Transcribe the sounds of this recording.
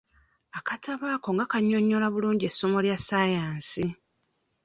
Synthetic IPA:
akatʰaβaːko̞ŋɡakaɲːo̞ɲːo̞laβuluːɲɟie̞sːo̞mo̞ljasajaːnsi

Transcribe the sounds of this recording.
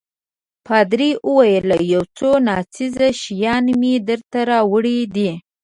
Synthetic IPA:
pɑd̪ɾiʔəwajəlajawt͡sonɑt͡sizaʃijɑnmid̪əɾt̪aɾɑwəɽid̪i

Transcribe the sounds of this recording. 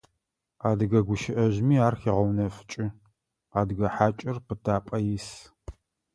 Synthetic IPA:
aːdɨɣɐɡʷʊʃɪʔɐʒmiːaːrxiʁɐwnɐfɨ̥t͡ʃʼɪ | aːdɨɡɐħaːt͡ʃʼɪrpʰɨtʰaːpʼɐjɪs

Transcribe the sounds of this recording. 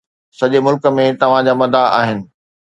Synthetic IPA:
sɐʄemʊlkəmẽt̪ɐʋ̤ãd͡ʑaːmɐd̪aa̰ːɦɪnɪ̆

